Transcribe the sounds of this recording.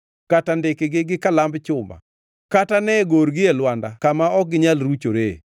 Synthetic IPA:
katandɪkɪɡɪɡɪkalambt͡ʃʊma̰ | katanɛɡoɾɡɪɛlwandakamaɔk̚ɡɪɲalɾut͡ʃoɾḛ

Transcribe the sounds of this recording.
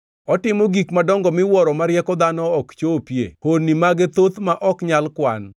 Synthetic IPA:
ɔtɪmoɡikmadɔŋɡɔmɪwɔɾɔmaɾɪjɛkɔd̪anɔːkt͡ʃopjḛhonːimaɡet̪ot̪maʔɔkɲalkwa̰n

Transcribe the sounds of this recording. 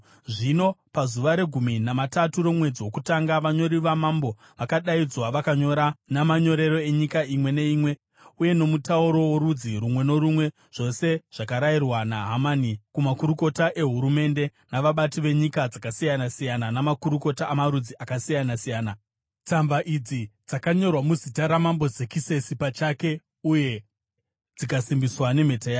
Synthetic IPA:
ʐino̞pazuʋaɾe̞ɡʱuminamataturo̞mwe̞d͡ziwo̞kutaŋɡaʋaɲo̞ɾiʋamambo̞ | ʋakaɗaid͡zwaʋakaɲo̞ɾanamaɲo̞ɾe̞ɾo̞e̞ɲikaimwe̞ne̞iːmwe̞ | uje̞no̞mutauɾo̞woɾud͡ziɾumwe̞no̞ɾumwe̞ | ʐ̥o̞se̞ʐ̥akaɾairwanaɦamanikumakuɾuko̞taʔe̞ɦuɾume̞nde̞naʋaɓatiʋe̞ɲikad͡zakasijanasijananamakuɾuko̞taːmaɾud͡ziʔakasijanasijaːna | t͡sambaʔid͡zid͡zakaɲo̞rwamuzitaɾamambo̞zekise̞sipat͡ʃake̞ | uje̞ | d͡zikasimbiswane̞m̤e̞tajaː

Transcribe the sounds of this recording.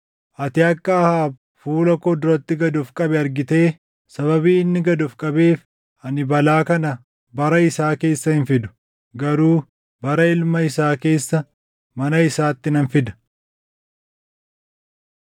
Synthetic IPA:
ʔɐt̪ɪɐkːɐɐhaː | fuːlɐkɔd̪ʊɾɐt̪ːɪɡɐd̪ʊfkʼɐbɛɐɾɡɪt̪e̞ː | sɐβɐbiːɪnːɪɡɐd̪ʊfkʼɐbeːf | ɐnɪbɐlaːkɐnɐ | bɐɾɐɪsaːke̞ːsːɐhɪnfɪd̪ʊ̥ | ɡɐɾuː | bɐɾɐɪlmɐɪsaːke̞ːsːɐ | mɐnɐɪsaːt̪ːɪnɐnfɪd̪ɐ̥

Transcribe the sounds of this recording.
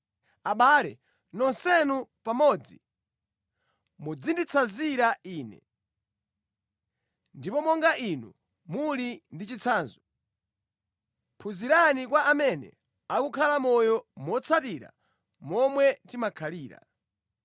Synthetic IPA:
aɓaːlɛ | nɔnsɛnupamɔd͡zi | mud͡zindit͡sʰaziɾaiːnɛ̰ | ndipɔmɔŋɡaʔinṵ | mulindit͡ʃit͡sʰaːnzɔ | pʰuziɾanikwaʔamɛnɛ̰ | akukʰalamɔjɔmɔt͡sʰatiɾa̰ | mɔmwɛtimakʰaliːɾa̰

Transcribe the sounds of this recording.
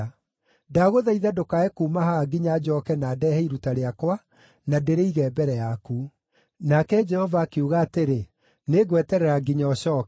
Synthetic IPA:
daɣoðaiðadokaekumaɦaɡiɲad͡ʒɔkɛnaːdɛhɛiɾutaɾeakwa | nadeɾeiɣɛːbɛɾɛjaku | nakɛd͡ʒɛhɔvaːkeuɣaːteɾe | neɣwɛtɛɾɛɾaɡiɲaɔɕɔːk

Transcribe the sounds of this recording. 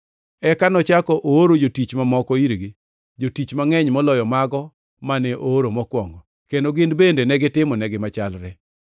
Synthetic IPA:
ɛkanɔt͡ʃakɔʔooɾod͡ʒotit͡ʃmamɔkɔiɾɡɪ | d͡ʒotit͡ʃmaŋɛɲmɔlɔjɔmaɡɔ | manɛʔooɾomɔkwɔŋɡɔ | kendoɡɪndbendenɛɡɪtɪmɔnɛɡɪmat͡ʃalɾɛ

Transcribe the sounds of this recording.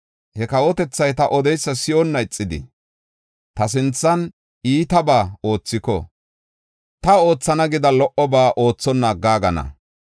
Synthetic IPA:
hɛkɐwɔt̪ɛt͡sːɐjt̪ɐʔɔd̪ɛjsːɐsɪɔnːɐɪt͡sʼːɪd̪ɪ̰ | t̪ɐs̬ɪnt͡sːɐn | iːt̪ɐbaːo̞ːt͡sːɪkɔ̰ | t̪ɐo̞ːt͡sːɐnɐɡɪd̪ɐlɔʔɔbaːʔo̞ːt͡sːɔnːaːɡːaːɡɐnɐ̰

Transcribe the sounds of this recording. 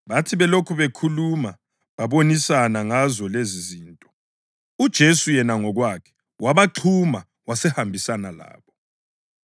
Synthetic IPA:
βatʰiβɛlokʰuβekʰuluma | βaβonisanaŋazɔleziziːntʼɔ̥ | ud̥ʒ̥ʱesujɛnaŋɔɣwakʰɛ̥ | wʔaβaǃʰuma | wasɛhambʱisanala̰ːβɔ

